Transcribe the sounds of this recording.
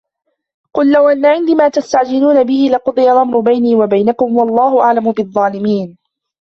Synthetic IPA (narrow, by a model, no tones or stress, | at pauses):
qʊlːawʔanːaʕɪnd̪iːmaːt̪ast̪aʕd͡ʒɪluːnabɪhɪlɪqʊd̪ˤɨjalʔamɾˤʊbajniːwabajnakʊmwɑlˤːɑːhʊʔaʕlamʊbɨðˤːɑːlɪmiːn